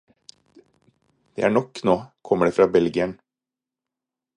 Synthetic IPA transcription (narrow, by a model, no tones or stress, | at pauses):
d̪̥ḛːæːɳɔkːnoːkʰɔmːəɖeːfɾɑːbɛlɡɪən